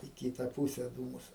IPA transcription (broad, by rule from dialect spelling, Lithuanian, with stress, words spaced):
iː ˈkʲiːtɐ ˈpuːsʲɛ ˈduːmʊs